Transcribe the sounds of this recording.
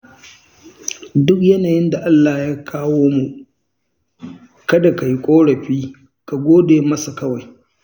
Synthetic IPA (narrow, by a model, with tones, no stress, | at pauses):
dʊ˦kjɐ˦naː˨jɪ˦nda˨ʔa˦lːaː˨jaː˦kʰaː˦woː˦mu˨ | kɐ˦da˨ka˨ji˦kʷʼoː˦ɽɐ˨ɸiː˦ | ka˨ɡʷoː˦deː˨mɐ˦sa˨kɐ˦wa˨j